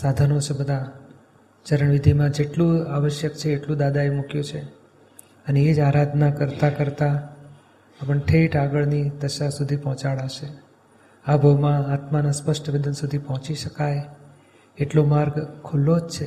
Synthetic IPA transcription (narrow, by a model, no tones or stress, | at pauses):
sad̪ʱanot͡ʃʰebəd̪ʱa | t͡ʃəɾəɳʋid̪ʱimãd͡ʒeʈlũaʋəʃjəkt͡ʃʰeːʈlũd̪ad̪aemukjũt͡ʃʰe | əneed͡ʒaɾad̪ʱnakəɾt̪akəɾt̪aː | pəɳʈʰeʈaɡəɭnid̪əʃasud̪ʱipɔɦɔ̃t͡ʃaɭaʃe | abʱəwmãat̪manaspəʂʈʋid̪ʱənsud̪ʱipɔɦɔ̃t͡ʃiʃəkaj | eʈlomaɾɡkʰːulːod͡ʒt͡ʃʰe